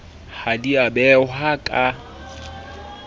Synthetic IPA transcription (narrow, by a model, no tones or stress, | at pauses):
hadiabɛɦakʼa